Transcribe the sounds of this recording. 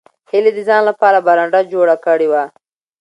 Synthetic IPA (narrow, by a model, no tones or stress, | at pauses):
hɪled̪əzɑnlapɑɾabaɾaɳɖad͡ʒoɽakəɽewa